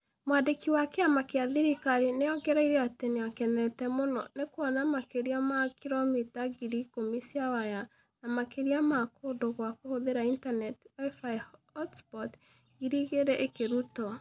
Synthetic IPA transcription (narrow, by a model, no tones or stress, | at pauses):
mwadekiwakeamakeaðiɾikaɾinejɔɡɛɾaiɾeateneakɛnɛtɛmonɔ̰nekwɔnamakeɾiamakiɾomitaɣiɾikomisiawaja | namakeɾiamakodoɣwakohoðeɾaintanɛtwaifajɔtspɔt | ɡiɾiɣeɾɛʔekeɾutɔ